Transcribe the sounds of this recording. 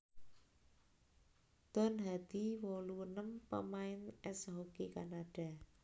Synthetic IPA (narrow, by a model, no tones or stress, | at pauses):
d̪̥ɔ̤nɦad̪̥i̤wɔluwənəmpə̰maɪnɛsɦokekanaɖ̥a̤